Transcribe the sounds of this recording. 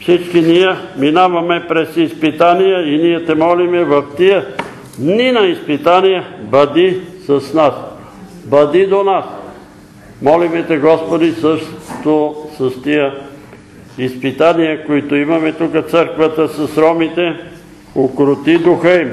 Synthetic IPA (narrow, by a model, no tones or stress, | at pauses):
fsit͡ʃkinijɛminavɐmɛpɾɛsispit̪anijəinijɛt̪ɛmɔlimɛvɐft̪ijə | d̪ninɐispit̪anijəbɐd̪isɐsnas | bɐd̪id̪onas | mɔlimɛt̪ɛɡɔspod̪isəʃt̪osəst̪iə | ispit̪anijəkoit̪oimɐmɛt̪ukət̪səɾkvət̪əsɐsɾɔmit̪ɛ | okɾʊt̪id̪uxəim